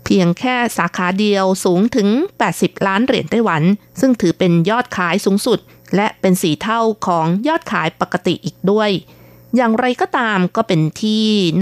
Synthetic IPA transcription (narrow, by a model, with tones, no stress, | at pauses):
pʰi˧əŋkʰɛː˥˩saː˩˦kʰaː˩˦di˧əwsuː˩˦ŋt̪ʰɯ˨˩˦ŋpɛː˨˩t̪̚si˨˩p̚laː˦˥nɾi˨˩ənt̪a˥˩jwa˩˦nsɯ˥˩ŋt̪ʰɯː˩˦pe˧njɔː˥˩t̪̚kʰaː˩˦jsuː˩˦ŋsu˨˩t̪̚ | lɛ˦˥ʔpe˧nsiː˨˩t̪ʰa˥˩wkʰɔː˩˦ŋjɔː˥˩t̪̚kʰaː˩˦jpa˨˩ka˧t̪ḭ˨˩ʔiː˨˩k̚du˥˩əj | jaː˨˩ŋɾa˧jkɔː˥˩t̪aː˧mkɔː˥˩pe˧nt̪ʰiː˥˩